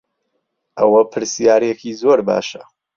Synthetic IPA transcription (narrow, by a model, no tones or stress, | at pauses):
ʔɐwɐpʰɨɾsijaːɾjɛkʰiːzoːɾba̰ːʃɐ